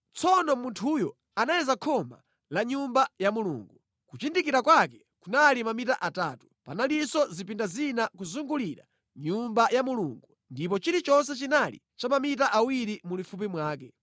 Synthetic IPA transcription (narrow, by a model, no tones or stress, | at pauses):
t͡sʰɔnɔmuntʰujɔ | anajɛzakʰɔma̰ | laɲumbajamulṵːŋɡu | kut͡ʃindikiɾakwakɛ | kunalimamitaʔataːtu̥panalisɔzipindazinakuzuŋɡuliɾa̰ | ɲumbajamuluŋɡu | ndip̬ɔt͡ʃiɾit͡ʃɔns̬ɛt͡ʃinalḭ | t͡ʃamamit̬aʔawiɾimulifup̬imwaːkɛ